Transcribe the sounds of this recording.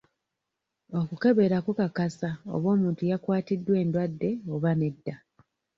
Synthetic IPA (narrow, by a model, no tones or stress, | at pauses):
o̞kuke̞βe̞ɾakwukakasao̞̰βo̞ːmuːntujakwaːtidːwe̞ːndwadːe̞oβane̞dːa